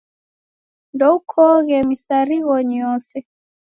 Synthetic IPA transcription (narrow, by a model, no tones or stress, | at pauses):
ndɔukʰɔɣɛmisaɾiɣɔɲɔsɛ